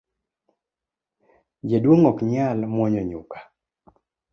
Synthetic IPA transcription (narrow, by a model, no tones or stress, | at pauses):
d͡ʒedwoŋɔkɲalmwɔɲɔɲʊkḁ